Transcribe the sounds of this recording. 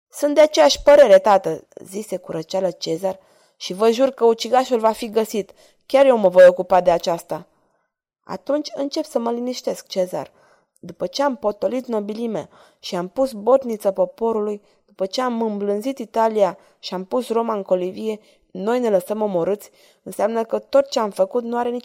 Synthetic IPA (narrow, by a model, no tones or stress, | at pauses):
sunt̪d̪e̞at͡ʃe̞jaʃʲpəɾe̞ɾe̞t̪at̪əzise̞kuɾʔət͡ʃalət͡ʃe̞zar | ʃivəʒurkəut͡ʃiɡaʃulvafiɡəsit̪ | kʲarje̞wməvo̞jo̞kupad̪e̞at͡ʃast̪a | a̰t̪unt͡ʃʲɨnt͡ʃe̞psəməliniʃt̪e̞sk̚t͡ʃe̞za̰r | d̪upət͡ʃe̞ampo̞t̪o̞lit̪no̞bilimḛ | ʃiampusbo̞t̪nit̪səpo̞po̞ɾuluj | d̪̥upət͡ʃe̞amɨmblɨnzit̪it̪alija | ʃiampusro̞maɨŋko̞livije̞ | no̞jne̞ləsəmo̞mo̞ɾɨt̪sʲ | ɨnseamnəkət̪o̞t̪̚t͡ʃe̞amfəkut̪nuaɾe̞ni